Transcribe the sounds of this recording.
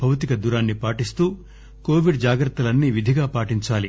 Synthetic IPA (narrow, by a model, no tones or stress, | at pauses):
bʱɐwt̪ikɐd̪uɾaːnːipaːʈist̪uː | koːʋiɖd͡ʒaːɡɾɐt̪ːɐlɐnːiʋid̪ʱiɡaːpaːʈiɲt͡ʃaːli